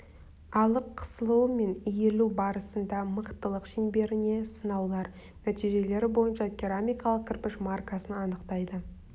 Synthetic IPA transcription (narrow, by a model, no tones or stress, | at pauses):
ɑlˠəqʰːə̥səlˠuwme̞nijelubɑɾəsənd̪ɑməqt̪əlˠəqʃinbe̞ɾɪne̞sənɑwlˠɑɾ | næt̪ijʒe̞le̞ɾɪbo̞jənʃɑtʲʰeɾamʲijkɑlˠəq̚kʲʰɪɾpɪʃmarkasənɑnəqt̪ɑjd̪ə